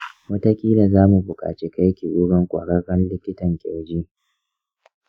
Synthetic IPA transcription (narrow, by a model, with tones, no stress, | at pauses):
wɐ˦ta˦kʲʼiː˦la˨zaː˦mu˨bʊ˨kʼa̰ː˨t͡ʃi˦ka˦jkʲi˨ʔʷʊ˦ɽɐ˦ŋkʷʼa̰ː˨ɽɐ˦ɽɐ˦nlɪ˦kʲɪ˦tɐ˨ŋkʲʼɛ˨d͡ʒiː˦